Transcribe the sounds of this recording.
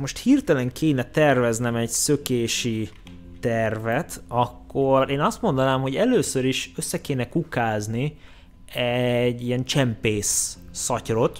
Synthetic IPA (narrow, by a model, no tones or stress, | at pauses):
mo̞ʃt̪hirt̪ɛlɛŋkʰeːnɛt̪ɛrvɛznɛmɛɟsøkeːʃi | t̪ɛrvɛt̪ɒkːoɾeːnɒst̪mo̞nd̪ɒnaːmho̞ɟɛløːsø̞ɾiʃøsːɛkeːnɛkukaːzni | ɛɟiɛnt͡ʃɛmpeːsːɒcro̞t̪